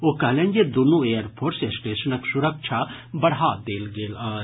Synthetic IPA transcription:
okɐlɐŋɡed̪unueːɐɾpʰoɾsesʈeːʃɐnɐksuɾɐk̚ʃʰabɐɽɦaːd̪eːlɡelɐ

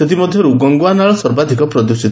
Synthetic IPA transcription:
set̪̬imɔd̪ʱjɔɾuɡɔŋɡoanaɭɔsɔɾbad̪ʱikɔpɾɔd̪usit̪

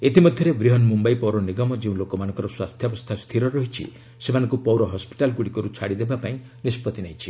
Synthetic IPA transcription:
et̪imɔd̪ʱjɔɾebɾiɦɔnmumbajpɔwɾɔniɡɔmɔd͡ʒeũlokɔmanɔ̃ŋkɔɾɔswast̪ʰjɔbɔst̪ʰast̪ʰiɾɔɾɔɦit͡ʃʰḭ | semanɔ̃ŋkupɔwɾɔɦɔspi̥ʈalɡuɽikɔɾut͡ʃʰaɽid̪ebapaĩ | nispɔt̪inajt͡ʃʰi

